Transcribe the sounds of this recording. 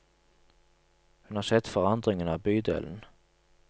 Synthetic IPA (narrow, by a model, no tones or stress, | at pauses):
hʉnhɑsɛt̪ːfœʁand̪ʁɪŋənɑbyːd̪ḛːlən